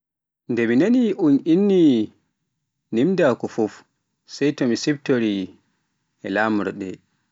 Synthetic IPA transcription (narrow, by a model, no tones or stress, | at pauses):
ndɛminaniʔuninːi | nimdakɔfɔf | sɛjtɔmisɛb̚toɾi | ɛlamɾɔ̰ɗɛ̰